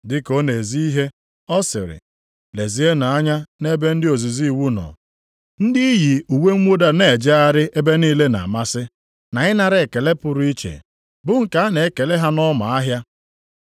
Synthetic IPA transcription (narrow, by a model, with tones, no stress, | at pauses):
dɪ˦ko˦ne˨zi˦i˦ɦe˦ | ɔ˦sɪ̰˨ɾɪ̰˨ | le˨zi˨˦e˦na˨a˦ɲa˦ne˦be˦n̩˦dɪ˦o˨zi˨zi˦˨wu˦nɔ̰˨ | n̩˦dɪ˦i˦ji˨u˨we˦ŋ̩ʷ˦o˦da˨ne˨e˨d͡ʒe˦a˦ɾɪ˦ʔe˦be˦niː˦le˦na̰˨a˨ma˦sɪ˦ | na˨ɪ˦na˨ɾe˨ke˨le˦pʊ˨ɾʊ˦i˦t͡ʃḛ˨ | bʊ˦ŋ̩˨ka˨˦a˦ne˨˦ke˨le˦ɦa˦nɔ˦ma˨a˦ɦja˦